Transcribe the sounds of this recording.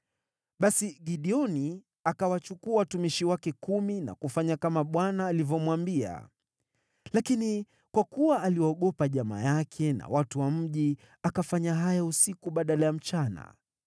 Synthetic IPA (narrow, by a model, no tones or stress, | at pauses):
ɓasiɠiɗiɔni | akawat͡ʃukuawatumiʃiwakɛkumina̰kufaɲakamaɓwanaːlivjɔmwambia̰ | lakini | kwakuwaːliwaːɠɔpaʄama̰jakʰɛna̰watuwam̩ʄi | akafaɲaɦajausikuɓaɗalajam̩t͡ʃana̰